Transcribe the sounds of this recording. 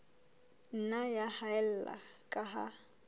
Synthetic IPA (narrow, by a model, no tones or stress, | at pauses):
n̩najahaɛl̩la̰kʼaɦa̰